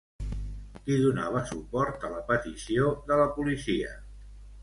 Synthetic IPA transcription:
iðunaβ̞əsupɔɾt̪ələpət̪isioðələpulisiə̰

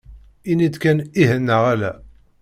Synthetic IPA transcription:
inid̪kæniɦənːəʁælæ̰

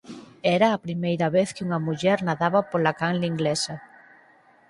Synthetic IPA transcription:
ɛɾɐːpɾimejɾɐβeθkɪuŋɐmuʎɛɾnaðaβɐpolakaŋliŋɡlesɐ

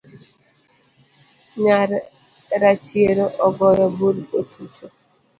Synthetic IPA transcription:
ɲaɾ | ɾat͡ʃieɾoʔɔɡɔjɔbuɾotʰutʰo

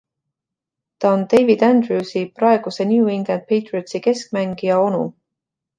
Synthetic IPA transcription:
t̪ɑond̪̥e̞jvid̪̥ænd̪rusiprɑe̞ɡ̥use̞njuuiŋɡ̥lænd̪̚pʰejt̪rit̪sike̞sk̚mæŋɡ̥ijɑo̞nṵ

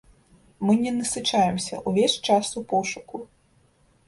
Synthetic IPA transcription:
mɨnʲɛnɛsɪt͡ʃajɛmsʲɐ̰ʔuʋʲɛʃt͡ʃasʊpɔʂʊkʊ

